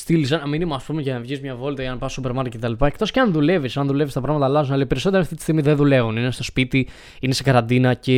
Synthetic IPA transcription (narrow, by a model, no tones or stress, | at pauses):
st̪ilis̬ɐnɐminimoɐspumeʝɐnɐvʝizmɲɐvo̞lit̪ɐʝɐnɐpɐsupe̞ɾmɐɾkcet̪ɐlipɐe̞kt̪o̞sceɐnðule̞visɐnðule̞vist̪ɐpɾɐɣmɐt̪ɐːlɐzunɐlɐipeɾiso̞t̪eɾɐft̪it̪i̥st̪iɣmiðenðule̞vuninest̪ospit̪i | inesekɐɾɐnd̪inɐce